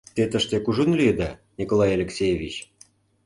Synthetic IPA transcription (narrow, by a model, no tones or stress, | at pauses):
t̪et̪əʃt̪ekuʒunliəd̪ɑnʲikolˠɑjalʲeksʲejevʲit͡ɕ